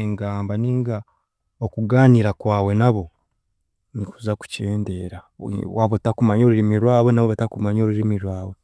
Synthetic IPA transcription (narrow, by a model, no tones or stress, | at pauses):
ŋɡaːmbaniːŋɡa | okuɡaːniɾakwaːwe̞naβo̞ | nikuzaku̥ceːnde̞ːɾawaβotakumaɲo̞ːɾuɾimiɾwaːβenaβoβatakumaɲo̞ːɾuɾimiɾwaːwe̞